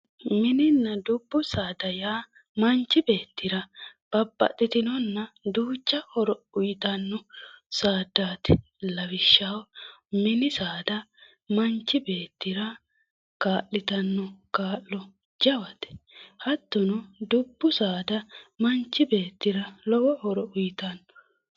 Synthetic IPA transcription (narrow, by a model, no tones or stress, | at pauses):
mɪnɪnːɐd̪ʊbːʊsaːd̪ɐjaː | mɐnt͡ʃːɪbe̞ːt̪ːɪɾɐb̥ɐbːɐ̰tːɪt̪ɪnɔnːɐd̪uːt͡ʃːɐhɔɾɔʊjɪt̪ɐnːɔsaːd̪aːt̪ɪ | lɐwɪʃːɐwmɪnɪsaːd̪ɐ | mɐnt͡ʃːɪbe̞ːt̪ːɪɾɐ | kaːʔːɪt̪ɐnːɔkaːʔːɔ | d͡ʒɐwɐt̪ɛ̥hɐt̪ːɔnɔd̪ʊbːʊsaːd̪ɐmɐnt͡ʃːɪbe̞ːt̪ːɪɾɐlɔwɔhɔɾɔʔʊjɪt̪ɐnːɔ